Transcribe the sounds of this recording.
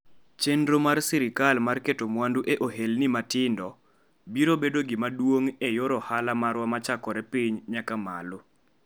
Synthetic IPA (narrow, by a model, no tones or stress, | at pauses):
t͡ʃendɾomarsiɾɪkalmarketomwanduʔeʔoɦelnɪmatɪndɔ | biɾobedoɡɪmadwoŋejoɾɔhalamaɾwamat͡ʃakɔɾɛpiɲɲakamalo